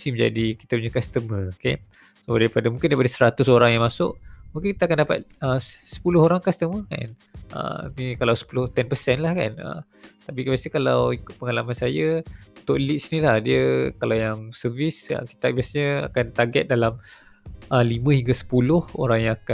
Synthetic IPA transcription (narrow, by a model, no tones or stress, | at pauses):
simə̃ɲd͡ʒa̰diki̥t̪apuɲakast̪əməkḛ | sodaɾipadamũŋkɪndaɾipadasəɾat̪ʊsoɾaŋjaŋmasʊ̰ʔmuŋkɪnki̥t̪akandapa̰t̪̚əsə̥pulʊhoɾaŋkast̪əməka̰nʔə̰nikalawsə̥pulʊht̪ɛnpəsɛnlahka̰nə̰m | t̪ap̬ikbiasəkalawikʊt̪̚pəŋalamansajət̪ʊʔlit̪̚snilahdiəkalawjaŋsəvisə̰ki̥t̪abiasaɲəa̰kant̪aɡɛt̪̚dalam | ʔəlimə̃hiŋɡasə̥pulʊho̰ɾaŋjaŋaka